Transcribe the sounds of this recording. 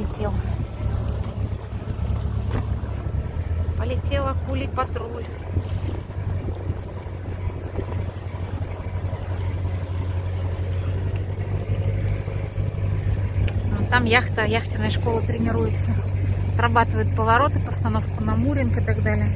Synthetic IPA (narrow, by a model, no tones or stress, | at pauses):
ɪtʲelˠə | pəlʲɪtʲe̞lˠəkulʲipɐt̪ɾulʲ | t̪amjaxt̪əjaxtʲɪnəjəʂko̞lˠət̪ɾʲɪnʲɪɾujɪt̪səɐt̪ɾɐbat̪ɨvəjʊt̪̚pəvɐɾo̞t̪ɨpəst̪ɐno̞fkʊnɐmuɾʲɪnkɨt̪aɡd̪alʲɪjə